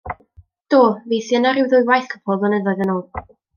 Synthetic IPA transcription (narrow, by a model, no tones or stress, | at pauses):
d̥oːveːθjənaɾɪwðʊjwajθkʰɔ̥pʰɔvɔnɛðɔðənoː